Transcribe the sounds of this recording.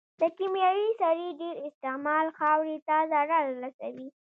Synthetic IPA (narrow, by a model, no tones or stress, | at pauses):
d̪̥əkimjɑjisaɾiɖeɾɪst̪ɪmɑlxɑwɾit̪ɑzaɾalɾasa̰wi